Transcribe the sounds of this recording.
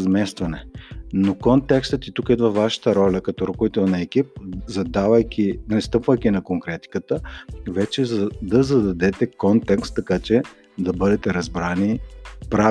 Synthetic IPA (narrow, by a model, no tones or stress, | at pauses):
zmɛst̪vɐnɛnokont̪ɛkst̪ət̪it̪ukɛd̪vɐvaʃə̥t̪əɾɔlʲɐkɐt̪ɔɾokovit̪ɛlˠnɐɛkip̚zɐd̪avɐjkʲinɛst̪ɤpvəjk̟ʲinɐkoŋkɾɛt̪i̥kət̪əvɛt͡ʃɛzd̪ɐzɐd̪ɐd̪ɛt̪ɛkont̪ɛkst̪ːɐkat͡ʃɛ | d̪ɐbɤd̪ɛt̪ɛɾɐzbɾanipɾa